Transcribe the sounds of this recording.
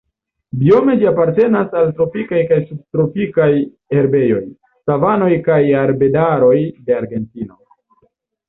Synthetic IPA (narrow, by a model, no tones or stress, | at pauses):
bio̞me̞d͡ʒiapaɾte̞nasaltɾo̞pikajkajsub̚tɾo̞pikaj | e̞ɾbe̞jo̞j | savano̞jkajaɾbe̞daɾo̞jde̞aɾɡe̞ntino̞̰